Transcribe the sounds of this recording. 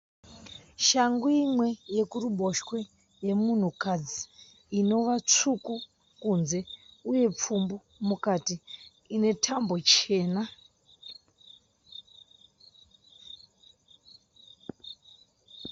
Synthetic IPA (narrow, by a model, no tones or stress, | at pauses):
ʃaŋɡuimwe̞je̞kuruɓo̞ʃkwe̞ | je̞mun̤ukad͡ziː | no̞ʋat͡ʂuku | kunze̞uje̞p͡fumbo | mukatiː | ne̞tʰambo̞t͡ʃe̞ːna